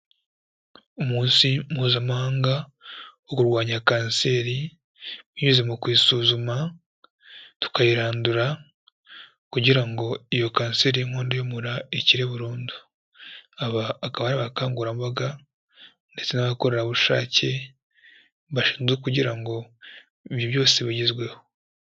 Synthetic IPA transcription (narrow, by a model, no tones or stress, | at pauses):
umuːnsimuːzamahaːŋɡawokuɾɡwaːɲakaːnse̞ːɾi | miɲuze̞mukwiːsuːzuma | tu̥kajiɾaːnduɾa | kuɟiɾaŋɡo̞ijo̞kaːnse̞ːɾiiŋhoːndojomuɾaeciɾe̞βuɾuːndu̥ | aβaːkaβaɾiβakaːŋɡuɾamβaɡa | nde̞t͡se̞naβakoɾe̞ɾaβuʃa̰ːce̞ | βaʃi̥ːnzɡekuɟiɾaŋɡo̞ | iβjoβjo̞ːseβiɟizɡwe̞ho